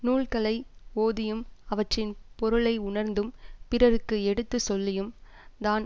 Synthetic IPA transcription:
nuːɭkɐlɐɪoːðɪjɯmɐʋɐʈrɪnpɔɾɯɭɐɪʊɳɐɾnd̪ɯmpɪɾɐɾɯkːɯɛɽɯt̪ːɯsɔlːɪjɯm | d̪aːn

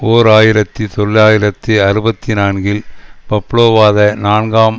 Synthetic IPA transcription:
oːɾaːjɪɾɐt̪ːɯt̪ɔɭːaːjɪɾɐt̪ːɯɐɾɯbɐt̪ːɪnaːnɡɪlpɐpːɭoːʋaːðɐnaːnɡaːm

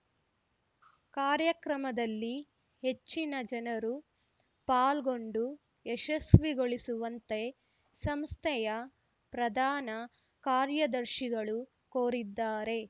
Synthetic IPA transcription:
kaːɾjɐkɾɐmɐd̪ɐlːi | he̞t͡ʃːinɐd͡ʒɐnɐɾu | paːlɡo̞ɳɖu | ɛʃɐsʋiɡo̞ɭisuʋɐnt̪e̞ | sɐmst̪ʰɛjɐ | pɾɐd̪ʱaːnɐ | kaːɾjɐd̪ɐɾʃiɡɐɭu | koːɾid̪ːaːɾe̞

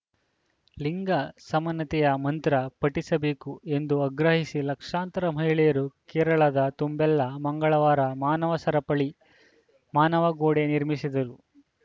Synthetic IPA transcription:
liŋɡɐsɐmɐnːɐt̪ɛjɐmɐnt̪ɾɐpɐʈisɐbeːkue̞nd̪uɐɡɾɐɦisilɐkʂaːnt̪ɐɾɐm̤ɐɦjɭɛjɐɾukɛːɾɐɭɐd̪ɐt̪umbɛlːɐmɐŋɡɐɭɐʋaːɾɐmaːnɐʋɐsɐɾɐpɐɭi | maːnɐʋɐɡoːɽeniɾmisid̪ɐɾu

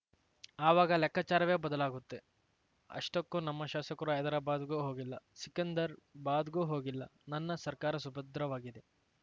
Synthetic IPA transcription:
aːʋaːɡɐlɛkʰːat͡ʃaːɾɐʋeːbɐd̪ɐlaːɡut̪ːe̞ | ɐ̰ʂʈɐkːunɐmːɐʃaːsɐkɐɾuɐjd̪ɐɾɐbaːd̪ɡuːɦoːɡilːɐsikɐnd̪ɐɾbaːd̪ɡuːɦoːɡilːɐnɐnːɐsɐɾkaːɾɐsubʱɐd̪ɾɐʋaːɡid̪e̞

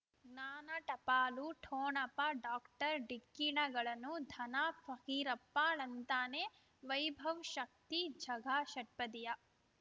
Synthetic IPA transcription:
naːnɐʈɐpaːluʈʰoːɳɐpaɖaːkʈɐɾɖikːiɳɐɡɐɭɐnud̪ʱɐnaːfʰɐkiːɾɐpːaːɭɐnt̪aːneː | ʋɐjbʱɐʋʃɐk̚t̪id͡ʒʱɐɡʱaːʃɐʈ̚pɐd̪ijɐ

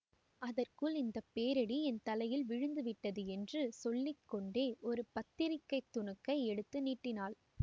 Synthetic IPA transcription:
ɐðɐrkɯɭɪnd̪ɐpːeːɾɐɽiɛnt̪ɐlɐjɪlʋɪɻɯnd̪ɯʋɪʈːɐðɯɛndrɯsɔlːɪkːɔɳɖeːʔɔɾɯpɐt̪ːɪɾɪkːɐɪt̪ːʊɳɯkːɐɪɛɽɯt̪ːɯniːʈːɪnaːl

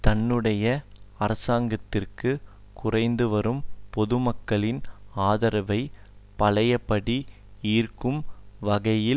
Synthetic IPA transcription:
t̪ɐnːɯɽɐjɐɐɾɐsaːŋɡɐt̪ːɪrkɯ | kʊrɐɪnd̪ɯʋɐɾɯmpɔðɯmɐkːɐɭɪnaːðɐɾɐʋɐɪ | pɐlɐjɐpːɐɽi | iːrkɯmʋɐɣɐjɪ

